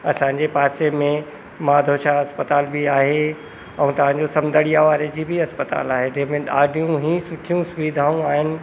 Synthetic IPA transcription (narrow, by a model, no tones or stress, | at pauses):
ɐsãːɲ̆d͡ʑepaːsemẽ | mãːd̪ʱoːʃaɐspət̪aːlbʱiaːɦe | ɛ̃ːt̪ɐʋ̤ãːɲd͡ʑosɐ̃md̪ʱəɽijaʋaːɾed͡ʑiːbʱiɐspət̪a̰ːlaːɦed͡ʑẽɦmẽɗaːɖijũɦĩːsʊʈʰijũsʊʋid̪ʱaːũaːɦɪnɪ̆